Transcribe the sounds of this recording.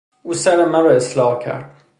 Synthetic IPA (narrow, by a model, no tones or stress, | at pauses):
uːsæɾemæɾɒeslɒːhcʰæ̰ɾd̪̥̚